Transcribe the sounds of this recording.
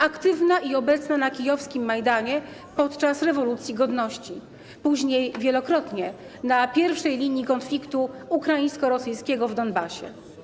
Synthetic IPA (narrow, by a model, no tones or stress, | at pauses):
akt̪ɘvnaʔiɔbɛt̪snanakʲijɔfskʲimːajd̪aɲɛ | pɔt̪t͡ʂasɾɛvɔlut̪sʲjiɡɔd̪nɔɕt͡ɕi | puʑɲejvʲjɛlɔkɾɔt̪ɲɛ | napʲjɛɾfʂɛjlʲiɲikɔnflʲikt̪uukɾajĩj̃skɔɾɔsɘjskʲɛɡɔvd̪ɔnbaɕɛ̰